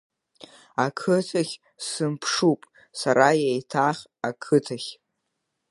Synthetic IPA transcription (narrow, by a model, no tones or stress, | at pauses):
akʰɨtʰaχʲ | sɨmpʰʂupʼ | saɾajejtʰaχʲ | akʰɨtʰaχʲ